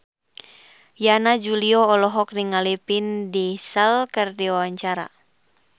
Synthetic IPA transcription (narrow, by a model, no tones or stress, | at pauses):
janad͡ʒuliɔːlɔɦɔk̚niŋalipindisəlkərdiwawaɲt͡ʃaɾa̰